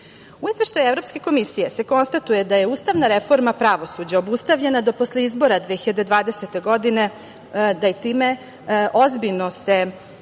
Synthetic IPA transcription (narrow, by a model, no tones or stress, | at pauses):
uizʋe̞ʃt̪ajuevɾo̞pske̞ko̞misijese̞ko̞nst̪at̪uje̞d̪aje̞uːst̪aʋnaɾefo̞ɾmapɾaʋo̞sud͡ʑao̞bust̪aʋʎenad̪opo̞sle̞izbo̞ɾad̪vʋexiʎad̪ed̪ʋaːd̪eset̪e̞ɡo̞d̪ine̞ | d̪ajet̪iːme̞ | ʔo̞zbiʎnose